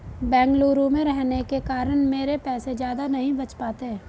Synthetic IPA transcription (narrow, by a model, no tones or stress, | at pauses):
bɛ̃ːŋɡluːɾõmẽɾɛɦnekekaːɾənmeːɾepɛːsed͡ʒjaːd̪anɐɦĩbɐt͡ʃpaːt̪eɦɛ̃ː